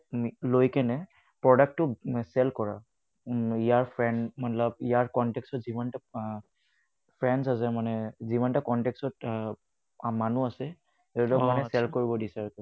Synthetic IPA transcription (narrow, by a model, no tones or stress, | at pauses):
lojkɛnɛ | pɹɔdak̚tʊsɛlkɔɹa̰ | ijaɹpʰɹɛnmanlab̚ijaɹkɔntɛkstɔtzibanta | pʰɹɛnsas̬ɛmanɛzibantakɔntɛkstɔt | manuasɛ | etɔmanɛsɛlkoɹibɔdisaɹkɔ